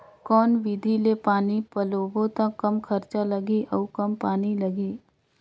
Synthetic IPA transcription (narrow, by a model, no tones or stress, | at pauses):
kɔːnʋɪd̪ʱilepaːnipɐloːbõt̪ãkɐmkʰɐɾt͡ʃalɐɡiʔɔkɐmpaːnilɐɡiː